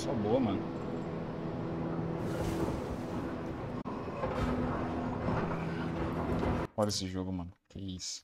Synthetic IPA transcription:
sɔboɐmɐ̃nʊ | ɔɾesɪʒoɡʊmɐ̃nʊfeis

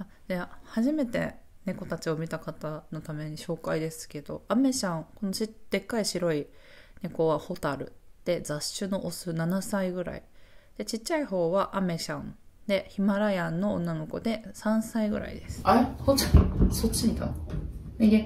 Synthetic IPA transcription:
a | dahaʑime̞t̪e̞̰ | ne̞ko̞t̪at͡ɕio̞mʲit̪akat̪ano̞t̪ame̞ɲ̟iɕo̞ːkaid̪e̞sɨ̥ke̞d̪̥o̞̰ame̞ɕãŋko̞noɕid̪̥e̞kːaiɕiɾo̞i | ne̞ko̞βaho̞t̪aɾɯ̟̰d̪̥e̞d͡zaɕːɨno̞ʔosɨnanasaiɡɯ̟ɾa̰ḭd̪̥e̞t͡ɕit͡ɕːaiho̞ːβaʔame̞ɕãnd̪̥e̞çimaɾajãnːo̞̰ːnːano̞ko̞̰d̪e̞sãɰ̃saiɡɯ̟ɾa̰ḭd̪e̞sɨ̥aesot͡ɕisot͡ɕːiɲit̪a̰ | ee

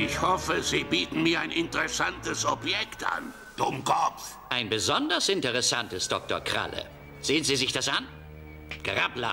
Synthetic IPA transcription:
ʔɪçhɔfəziːbiːtn̩miːɐaɪnɪntəʁɛsantəsɔpjɛktʔa̰n | d̥ʊmkʰɔp͡ff | ʔaɪnbəzɔndɐsɪntəʁɛsantəsd̥ɔk̚toɐkʁ̥a̰lə̰ | z̥eːənziːzɪçd̥asʔan | ɡ̥aʁapla̰

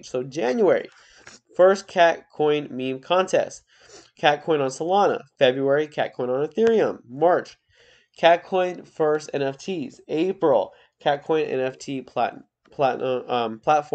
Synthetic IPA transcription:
soʊd͡ʒæ̃njuɛɹḭ | fɜ˞skʰæt̚kʰɔ̃ɪ̃nmĩmkʰɑ̃ntʰɛ̰st | kʰæt̚kʰɔ̃ɪ̃nə̃nsəlɑnə̰fɛbɹuɛɹikʰæt̚kʰɔ̃ɪ̃nə̃nɨθɪɹiə̃mːɑɹt͡ʃ | kʰæt̚kʰɔ̃ɪ̃nfɜ˞stɛ̃nɛftʰizeɪpɹl̩ˠ | kʰæt̚kʰɔ̃ɪ̃nɛ̰̃nɛftʰipʰ | pʰ | pʰl̥ætfɔ

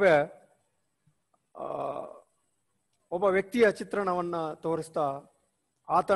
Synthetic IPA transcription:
ʋe | ɔbːɐʋjɐk̚t̪ijɐt͡ʃit̪ɾɐɳɐʋɐnːut̪oːɾist̪aː | aːt̪ɐ

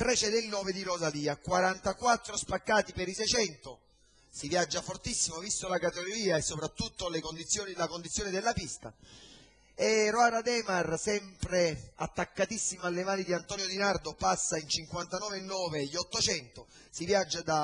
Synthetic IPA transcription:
t̪ɾɛt͡ʃɛd̪elnɔːved̪iɾozaliːakwaɾant̪akwat̪ːɾospakːaːt̪ipeɾisɛjt͡ʃɛnt̪o | sivjad͡ʒːafort̪isːimovist̪olakat̪eɡoɾiːaesːopɾat̪ːut̪ːolekond̪it̪sːjoːnilakond̪it̪sːjoːnid̪elːapist̪a̰ | eroaɾad̪ɛːmarsɛmpɾea̰t̪ːakːat̪isːimoalːemaːnid̪iant̪ɔːnjod̪inard̪opasːaint͡ʃiŋkwant̪anɔːvenːɔːveʎːɔt̪ːot͡ʃɛnt̪o | sivjad͡ʒːad̪a

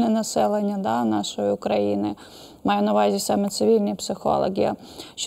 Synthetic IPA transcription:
nɛnɐsɛlˠenʲːɐd̪ɑnɑʃɔjiʊkɾɐjḭnɪ | mɑjɛnɐʋɑzʲisɑmɛt̪sɪʋʲilʲnʲipsɪxɔ̰lˠɔ̰ɦʲijɐ̰ | ʃ

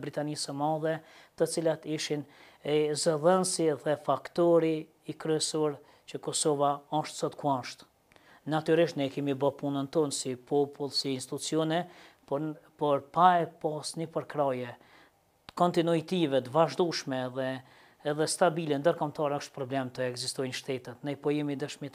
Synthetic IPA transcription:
bɾit̪anisəmaðɛt̪ət͡silat̪iʃin | zəðɛnsiðɛfakt̪ɔɾiː | kɾyɛsɔɾ | t͡ʃəkɔsɔvaɔʃt̪sɔt̪kuaʃt̪ | nat̪yɾiʃt̪nɛkɛmibapunənt̪ɔnsipʰɔpulˠsiːnst̪it̪ut͡siɔnɛppɔɾpaɛpɔsnəpəɾkɾajɛ | kɔnt̪inuit̪ivɛt̪əvaʒd̪uʃmɛðɛː | ðɛst̪abilɛnd̪əɾkɔmt̪ɑɾɛɔʃt̪̚pɾɔblɛmt̪əɛɡzist̪ɔjnʃt̪ɛt̪ɛt̪nɛjpɔjɛmid̪əʃmit̪

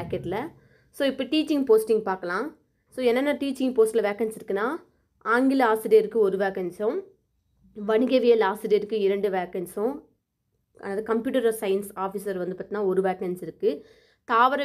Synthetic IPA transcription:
aːkɐʈːɪlɐ | soːɪpːɐʈiːt͡ʃɪŋɡpoːsʈɪŋɡpaːɾkɐlãː | soːɛnːɐnːɐʈiːt͡ʃːɪŋpoːsʈɪlɐʋeːkɐnsɪɾɯkːɯnːaː | aːŋɡɪlaːsɪɖeɾɯkːɯɔɾɯʋeːkɐnsʊ̃ | ʋɐɳɪɣɐʋɪjɐlaːsɪɖeːɾɯkːɯɪɾɐɳɖɯʋeːkɐnsʊ̃ | ɐ̰ːnaːðɯkɐmpjuːʈɐɾɐsɐɪjɪnsaːfisɐɾʋɐnd̪ɯpaːt̪inaːɔɾɯʋaːkɐnsɪɾɯkːɯ | t̪aːʋɐɾɐ

